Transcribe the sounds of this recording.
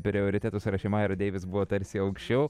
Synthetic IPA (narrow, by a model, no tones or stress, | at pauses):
pʲɾʲɪoːɾʲɪt̪ʲæːt̪ʊsɾɐʃʲɛɪmɑːjɛɾɐd̪ʲeːʋʲɪsbuʋoːt̪ɐɾʲsʲɪɐʊkʃʲt͡ʃʲɛʊ